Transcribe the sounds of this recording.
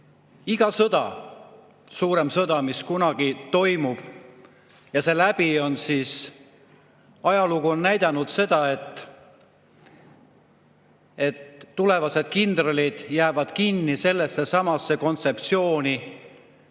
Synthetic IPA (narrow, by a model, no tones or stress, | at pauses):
iɡ̥ɑsɤd̪̥ɑ | suːɾe̞msɤd̪ɑmiskunɑɡ̥it̪o̞jmub̥ | jɑse̞læb̥io̞nsiːs | ɑjɑluɡuonnæjd̪̥ɑnud̪̥se̞d̪ɑe̞t̪ː | e̞t̪ːule̞vɑse̞d̪̥̚kind̪̥rolid̪̥jæːvɑd̪̥kinːise̞lːe̞sːe̞sɑmɑsːe̞ko̞nt̪se̞p̚t̪sio̞ːni